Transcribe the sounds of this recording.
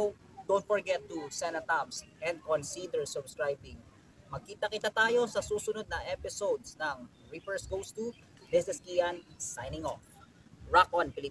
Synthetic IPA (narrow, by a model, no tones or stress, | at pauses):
d̪ownt̪̚fɔɹɡɛt̪ːusɛnɐt̪absʔɛ̃nd̪̚kɔ̃nsid̪ɛɹsʊbskɹajbɪŋ | mɐɡ̚kiːt̪ɐkɪt̪at̪aːjo̞sɐsuːsʊnod̪̚nɐŋʔɛpɪsowd̪snɐŋ | ɹipɛɹsɡowst̪u | bɪsnɛskiɐnsajnɪŋof | ɹakʔɔnpɪlɪ